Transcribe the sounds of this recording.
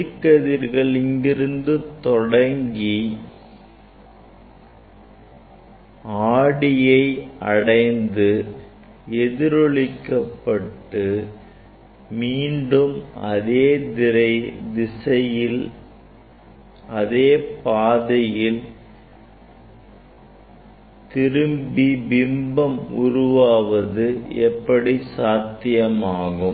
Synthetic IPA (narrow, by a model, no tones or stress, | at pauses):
ɪkːɐðɪɾɣɐɭɪŋɡɪɾɯnd̪ɯt̪ɔɽɐŋɡi | aːɽɪjɐɪɐ̰ɽɐɪnd̪ɯ | ɛðɪɾɔɭɪkːɐpːɐʈːɯ | miːɳɖɯmɐðeːd̪ɪɾɐɪd̪ɪsɐjɪl | ɐðeːpaːðɐjɪl | t̪ɪɾɯmbibɪmbɐmʊɾʊʋaːʋɐðɯɛpːɐɽisaːt̪ːɪjɐmaːɣɯm